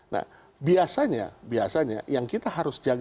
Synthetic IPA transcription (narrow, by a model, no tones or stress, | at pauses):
na̰h | biasaɲa̰biasaɲa̰jaŋkit̪aɦaɾʊsd͡ʒaɡ